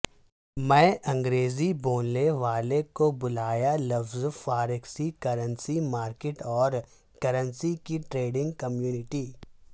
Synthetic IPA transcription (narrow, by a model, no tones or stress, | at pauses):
mɛ̃ːʔɐ̃ŋɡɾeːziboːnneʋaːlekobʊlaːjalɐfzfaːɾɪksikɐɾənsimaːɾkeʈɔːɾ | kɐɾə̃nsikiʈɾeːɖɪ̃ŋɡkɐmjuːnɪʈiː